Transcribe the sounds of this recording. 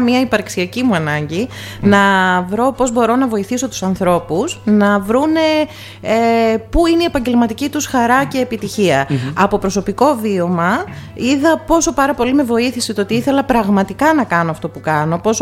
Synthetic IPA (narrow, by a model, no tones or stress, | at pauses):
miɐipɐɾksiɐcimuɐnɐɲɟi | nɐvɾo̞po̞zbo̞ɾo̞nɐvo̞iθiso̞t̪u̥sɐnθɾo̞pusnɐvɾune | puineiepɐɲɟe̞lmɐt̪icit̪usxɐɾɐce̞ːpit̪içiɐɐpo̞pɾo̞so̞piko̞vio̞mɐiðɐpo̞so̞pɐɾɐpo̞lime̞vo̞iθisit̪oo̞t̪iiθe̞lɐpɾɐɣmɐt̪ikɐnɐkɐnoɐft̪o̞pukɐno̞po̞so